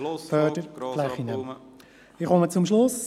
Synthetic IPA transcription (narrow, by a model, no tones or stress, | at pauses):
fœd̥əɾlɛχinə | ɪχɔmət͡sʊmʃlʊs